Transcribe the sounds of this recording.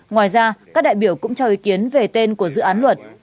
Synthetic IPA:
ŋwaː˨˩jzaː˧kaː˦˥k̚ɗa̰ː˧˨ɓi˧˩əwkʊ̰˧˥ŋ͡mt͡ɕɔ˧wʔi˨˦ki˨˦ənve˨˩t̪e˧nku˧˩əzɨ̰˧˨aː˨˦nlwə˨˩t̚

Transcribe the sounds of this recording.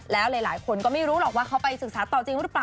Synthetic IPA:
lɛː˦˥wlɤː˧jlaː˨˩˦jkʰo˧nkɔː˥˩ma˥˩ɾuː˦˥lɔː˨˩k̚waː˥˩kʰa˦˥wpa˧jsɯ˨˩k̚saː˨˩˦t̪ɔː˨˩t͡ɕi˧ŋɾɯ˦˥plaː˨˩

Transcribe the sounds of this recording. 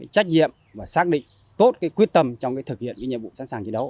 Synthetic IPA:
aː˨˦jt͡ɕa˦˥k̚ɲḭ˧˨əm | vaː˨˩saː˦˥k̚ɗḭ˧˨ŋ̟ | t̪o˦˥t̚kaː˨˦jkwi˦˥ət̚t̪ə˧mt͡ɕɔ˧wŋ͡mkaː˨˦t̪ɨ˨˩k̚hḭ˧˨ənkaː˨˦jɲə˧˨vṵ˧˨sa̰˧˥nsaː˨˩ŋt͡ɕe˨˧˦nɗə˨˦w

